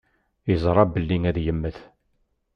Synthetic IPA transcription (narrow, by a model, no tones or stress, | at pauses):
jəzˤɾˤɑbəlːiŋæðjəmːəθ